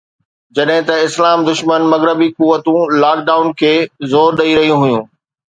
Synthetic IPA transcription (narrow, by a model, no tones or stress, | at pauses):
d͡ʑɐɗɦɪ̃t̪ɐɪslaːmd̪ʊʃmənmɐɣɾəbikuʋːət̪ũlaːk̚ɖaːʊnkʰeːzoːɾɗɐiɾɐɦijũɦʊjũː